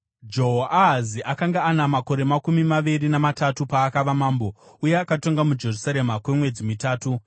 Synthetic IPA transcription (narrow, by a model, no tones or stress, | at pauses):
d͡ʒo̞ɦoʔaɦaziʔakaŋɡaanamako̞ɾe̞makumimaʋirinamatatupaːkaʋamaːmbo̞uje̞akato̞ŋɡamud͡ʒe̞rusaɾe̞makwe̞mwe̞d͡zimitaːtu